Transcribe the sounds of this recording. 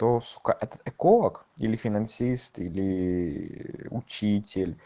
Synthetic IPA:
t̪osu̥kaʔɛt̪ə̥t̪ɛkolˠəkilʲɪfʲɪnɐnsʲist̪ilʲɪ | ʊ̰t͡ɕitʲɪlʲ

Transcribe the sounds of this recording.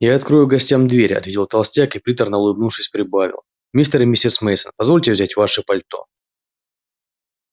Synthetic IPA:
jaɐt̪kɾojʊɡɐsʲtʲamd̪vʲeɾʲɐ̰t̪vʲetʲɪlˠt̪ɐlˠsʲtʲakɨpɾʲit̪ərnəlˠʊjbnufʂɨsʲpɾʲɪbavʲɪ̰lˠ | mʲist̪əɾmʲisʲɪsmejsənpɐzvo̞lʲtʲɪvzʲætʲvaʂɨpɐlʲt̪o̞̰

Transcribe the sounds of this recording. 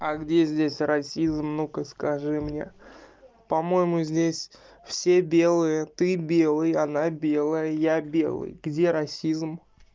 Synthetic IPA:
aɡdʲezʲdʲesʲrɐsʲizmnukəskɐʐɨmnʲe̞̰ | pɐmo̞jɪmʊzʲdʲesʲ | fsʲebʲe̞lˠɨjət̪ɨbʲelˠɨjɐnabʲe̞lˠəjəjabʲe̞̰lˠɨ̰jɡdʲe̞ɾɐsʲizm

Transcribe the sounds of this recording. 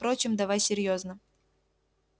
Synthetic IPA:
pɾo̞t͡ɕɪmd̪ɐvajsʲɪɾʲjoznə

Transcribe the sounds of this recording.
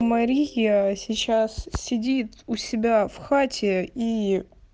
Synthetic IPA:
mɐɾʲijəsʲɪt͡ɕassʲɪdʲit̪ʊsʲɪbʲafxatʲʰɪi

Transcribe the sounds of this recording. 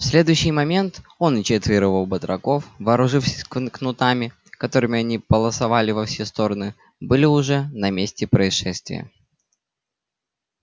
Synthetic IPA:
fsʲlʲe̞d̪ʊjʉɕːɪjmɐmʲe̞nt̪o̞nt͡ɕet̪vʲɪɾəvəlˠbət̪ɾɐko̞fvɐːɾʊʐɨfsʲə̥kknʊt̪amʲɪ | kɐt̪o̞ɾɨmʲɪɐnʲibəlˠəsɐvalʲɪvɐfsʲest̪o̞ɾənɨ | bɨlʲɪʊʐɛnɐmʲesʲtʲɪpɾəɪsʂɛst̪vʲɪ̰jə̰

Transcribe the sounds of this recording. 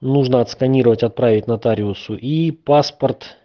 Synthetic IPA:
nuʐnəɐt̪skɐnʲiɾəvətʲɐt̪̚pɾavʲɪtʲnɐt̪aɾʲɪʊsʊʔipaspərt̪

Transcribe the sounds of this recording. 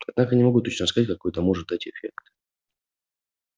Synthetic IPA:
ɐd̪nakənʲɪmɐɡut̪ːot͡ɕnəs̬kazatʲkɐkojt̪əmoʐɨt̪̚d̪atʲɪfʲekt̪

